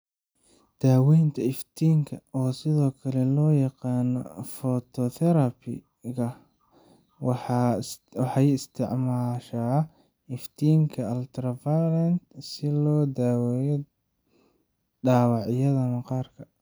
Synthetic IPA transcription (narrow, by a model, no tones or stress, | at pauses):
d̪̥aːwɛjnt̪ʰɐɪft̪ʰiːŋkʰɐɔːsɪðɔːkʰɐlɛlɔːjɑqɑːnɔ̰fɔt̪ʰɔθɛɾɐpʰɪ̰ | ɣɐ | wɑħɑjɪst̪ʰɪʕmaːʃaː | ɪft̪ʰiːŋkʰɐɐlt̪ʰɾɐvalɐnt̪sɪlɔːd̪aːwɛjɔ | ɖaːwɑʕjɐðɐmɐqɑːrkʰɐ